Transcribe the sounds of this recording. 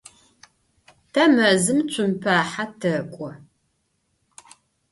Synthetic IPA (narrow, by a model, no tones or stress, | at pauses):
tʰɐmɐzɨmt͡ɕʰʷʼʊmpʰaːħatʰɐkʷʼɔ